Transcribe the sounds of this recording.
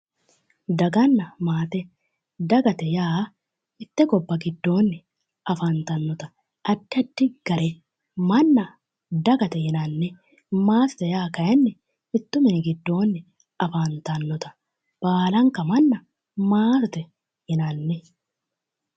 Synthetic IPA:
d̪ɐɡɐnːɐmaːt̪ɛ | d̪ɐɡɐt̪ɛjaː | ɪt̪ːɛɡɔbːɐɡɪd̪ːo̞ːnːɪ | ʔɐfant̪ɐnːɔt̪ɐ̥ | ɐd̪ːɪɐd̪ːɪɡ̥ɐɾɛ | mɐnːɐ | d̪ɐɡɐt̪ɛhɪnɐnːɛ | maːst̪ɛjaːkɐʔɛnːɛ | ɪt̪ːʊmɛnɡɪd̪ːo̞ːnːɪ | ɐfant̪ɐnːɔt̪ɐ̥ | b̥aːlɐŋkɐmɐnːɐ | maːt̪ɛ | hɪnɐnːɛ

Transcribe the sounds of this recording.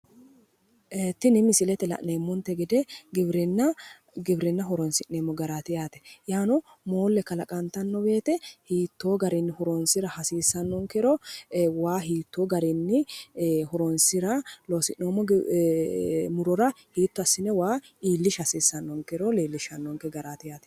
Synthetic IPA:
ʔeːt̪ːɪnɪmɪsɪlɛt̪ɛlɐ̰ʔneːmːɔnt̪ːɛɡɪd̪ɛɡɪbɾɪnːɐ | ɡɪbɾɪnːɐɦɔɾɔnsɪneːmːɔɡɐɾaːt̪ɪjaːt̪ɛ̥jaːnɔ | moːlːɛkɐlɐkʼɐnt̪ɐnːɔbe̞ːt̪ɛhiːt̪ːo̞ːɡɐɾɪnːɪhɔɾɔnsɪɾɐhɐsiːsːɐnːɔŋkɛɾɔwaːɦiːt̪ːoːɡɐɾɪnːɪhɔɾɔnsɪɾɐloːsɪʔnoːmɔ | mʊɾɔɾɐ | hiːt̪ːɔɐsːɪnɛwaːʔiːlːɪʃɐsiːsːɐnːɔŋkɛɾɔleːlːɪʃɐnːɔŋkɛɡɐɾaːt̪ɪjaːt̪ɛ̥

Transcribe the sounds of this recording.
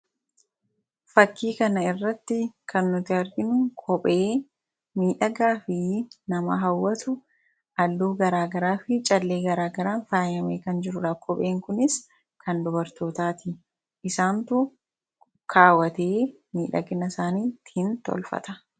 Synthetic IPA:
fɐkːiːkɐnɐɪrːɐt̪ːɪkʰɐnːʊt̪ɪhɐɾɡɪnʊkʰɔpʼeː | miːᶑɐɡaːfɪnɐmɐ̰ɦɐwːɐt̪ʊ | ʔɐlːuːɡɐɾaːɡɐɾaːfɪt͡ʃʼɐlːe̞ːɡɐɾaːɡɐɾaːnfaːjɐmeːkɐnd͡ʒɪɾʊᶑaːkʰɔpʼe̞ːŋkʊnɪs | kʰɐnd̪ʊbɐɾt̪o̞ːt̪aːt̪ɪ | ʔɪsaːnt̪ʊ | kʰaːwɐt̪e̞ː | miːᶑɐ̰ɡɪnɐsaːniːt̪ɪhɪnt̪ɔ̰lfɐ̰t̪ɐ̥

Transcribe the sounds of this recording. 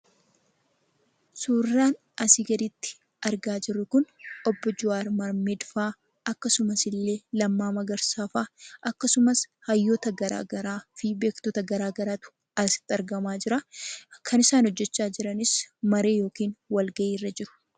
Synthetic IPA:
suːrːaːn | ɐsɪɡɐd̪ɪt̪ːɪ̥ | ɐɾɡaːd͡ʒɪrːʊkʊnʔɔbːɔd͡ʒʊaːɾmɐɾmɛd̪faː | ɐkːɐsʊmɐsɪlːe̞ːlɐmːaːmɐɡɐɾsaːfaːʔɐkːɐsʊmɐshɐjːɔt̪ɐɡɐɾa̰ːɡɐɾaːfɪbe̞ːkt̪ɔt̪ɐɡɐɾaːɡɐɾaːt̪ʊ̥ | ɐsɪ̥t̪ːɐɾɡɐmaːd͡ʒɪɾɐkʰɐnɪsaːnhɔd͡ʒːɛt͡ʃːaːd͡ʒɪɾɐnɪsmɐɾe̞ːjo̞ːkiːnwɐlɡɐʔiːrːɐd͡ʒɪɾʊ̥

